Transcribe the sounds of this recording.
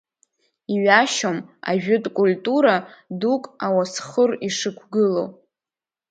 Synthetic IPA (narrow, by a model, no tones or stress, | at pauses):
iɥaʃoma̰ʒᶣʊtʼkʷʼultʼuɾadukʼawasχəriʂɨkʷʰɡɨlo̰